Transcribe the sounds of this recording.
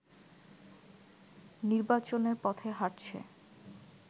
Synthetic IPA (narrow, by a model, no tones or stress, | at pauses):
niɾbat͡ɕoneɾpɔt̪ʰeɦaʈt͡ɕʰḛ